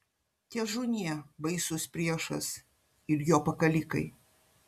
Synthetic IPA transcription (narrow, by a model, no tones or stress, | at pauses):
t̪ʲiɛʒʊnʲiɛbɐɪsʊspʲɾʲiɛʃɐs | ɪɾjoːpɐkɐlʲikɐɪ